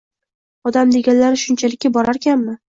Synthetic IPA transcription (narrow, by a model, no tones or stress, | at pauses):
ɒd̪amd̪e̞ɡʲanlaɾɪʃʊnt͡ʃʰalɪkʲːabɒɾaɾkʲanmɪ